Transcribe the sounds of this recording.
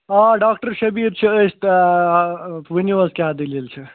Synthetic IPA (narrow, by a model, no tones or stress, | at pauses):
aɖaːkʈəɾʃɐbiɾt͡ʃʰeest̪ | ʋiniʋəskjad̪ililt͡ʃʰe